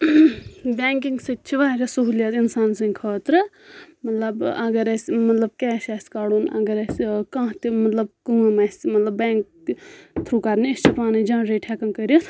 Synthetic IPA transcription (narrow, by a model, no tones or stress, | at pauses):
bɛːŋk̬iŋɡsɨt̪̚t͡ʃʰiʋaːsʲasuɦuljat̪insaːnsɨŋʲkʰəːt̪ɾɨ | mɐt̪lɐbɐɡɐɾɐsʲmɐt̪lɐb̚kɛːsʲaːsʲkaɽoːnɐ̰ɡɐɾɐsʲkãːt̪imɐt̪lɐbkumɛsʲmɐt̪lɐbːɛːŋk | t̪ʰɾuːkɐɾnist͡ʃʰipaːnid͡ʒãːɾeːʈʰɛkɐnkəɾit̪